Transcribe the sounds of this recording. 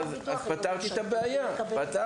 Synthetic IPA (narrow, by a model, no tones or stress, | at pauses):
z | azpat̪aʁt̪iet̪abeajapat̪a